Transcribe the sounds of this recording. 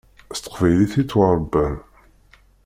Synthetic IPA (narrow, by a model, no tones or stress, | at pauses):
st̪ə̥qvæjliθit͡sːwəɾˤbːæn